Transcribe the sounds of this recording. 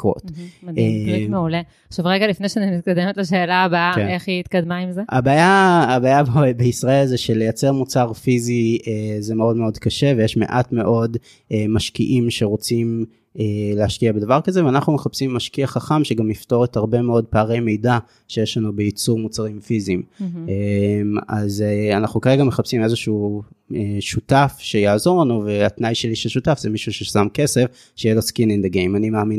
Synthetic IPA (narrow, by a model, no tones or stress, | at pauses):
ko̰tdemeule | aχʃavʁeɡalifnejʃeanimit̪̚kad̪emetlaʃe̞ːlaːbakeeχiit̪kad̪maimzeabaːjaːbaːjabbeisʁae̞lzeʃe̞le̞jat͡se̞ʁmut͡saʁfiziezemeo̞dmeo̞dkaʃe̞vejeʃme̞̰ʔatme̞ʔo̞d | ʔemaʃkiʔimʃe̞ʁo̞t͡sim | eleaʃkiabe̞d̪avaʁkazeveanaχnumeχapsimːaʃkiaχaχamʃeɡamifto̞ʁethaʁbe̞meo̞d̚paːʁejmejda | ʃejeʃlanube̞jit͡suʁmut͡saʁimfizimema̰zeanaχnukaʁeɡameχapsimezeʃːeʃutafʃe̞jaːzo̞ʁlanuve̞atnajʃeliʃeʃutafzemiʃuʃesamke̞sef | ʃejelo̞skinind̪eɡejmanimaːmin